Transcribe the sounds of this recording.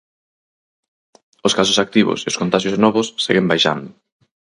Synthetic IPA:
oskas̬ʊsak̚t̪iβʊ̰seoskont̪aʃjosnɔβʊsːeɣembajʃa̰nd̪ʊ

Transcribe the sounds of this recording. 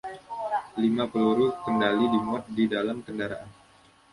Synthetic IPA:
limapəluɾukəndalidimuat̪̚didalamkəndaɾaʔan

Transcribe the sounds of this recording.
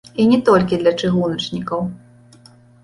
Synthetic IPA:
inʲɛt̪ɔlʲkʲid̪lʲɐt͡ʂɨɣunɐt͡ʂnʲikɐw

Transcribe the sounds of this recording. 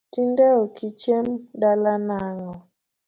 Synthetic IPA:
tindɛɔkʰit͡ʃɛmɗalanaŋɔ

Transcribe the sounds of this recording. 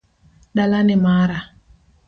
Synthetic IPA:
ɗalanɪmaːɾa

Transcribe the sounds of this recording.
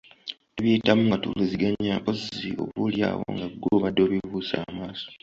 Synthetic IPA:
eβjiːtamuŋɡatṵliziɡaɲaʔozio̞̰βulja̰ːwo̰ŋɡaɡuβadːo̞ːβivuːsa̰ːmaːso̥

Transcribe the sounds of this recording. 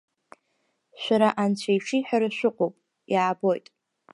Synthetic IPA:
ʃʷᶣaɾaʔant͡ɕʷʰajʃijħᶣaɾaʃʷᶣʊqʷʼowpʼ | jaːbo̞jtʼ

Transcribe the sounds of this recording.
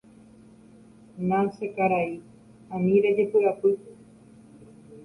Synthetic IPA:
nasekaɾai | anĩɾed͡ʒepɨapɨt̪e

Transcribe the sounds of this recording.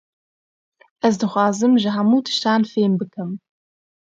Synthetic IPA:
ɐzdɨχʷɑːzɨmʒaħamutʰɨ̥ʃtʰaːnfeːmbɨkʰɐm

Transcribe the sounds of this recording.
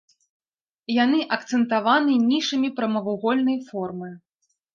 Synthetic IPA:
janɨʔɐkt̪sɛnt̪avanɨnʲiʂɨmʲipɾɐmɐvuɣɔlʲnɐjfɔrmɨ

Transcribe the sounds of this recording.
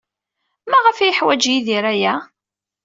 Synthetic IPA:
mæʁəfæjəħwæd͡ʒjiðiɾæjæ

